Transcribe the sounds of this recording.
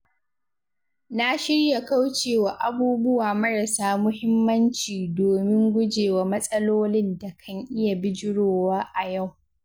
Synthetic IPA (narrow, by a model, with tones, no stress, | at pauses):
na˦ʃɪ˦ɽja˨ka˦wt͡ʃeː˨waː˨ʔa˨buː˦bʊ˦waː˨mɐ˦ɽɐ˨saː˦mʊ˦hɪ˦mːɐ˦nt͡ʃiː˨doː˨mɪ˦ŋɡʷʊ˦d͡ʒeː˨wa˨mɐ˦sʼɐ˦loː˦lɪ˦nda˨kʰɐ˦ŋʔɪ˦ja˨bɪ˦d͡ʒɪ˦ɽoː˨waː˦ʔa˨ja˦˨w